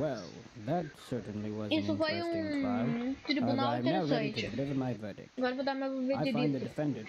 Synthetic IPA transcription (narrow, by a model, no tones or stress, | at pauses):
wɛlˠðɨtsɜ˞ʔn̩liwʌzisʊfojũ | t̪ɾibunaw̃t̪eɾsɹɛõɾitʰɨɪdɨlɪvə˞maɪvɜ˞ɾɪ̰kaɡɔɾɐvod̪aɾmawveaɪfedaĩnðɨdɨfɛ̃ndə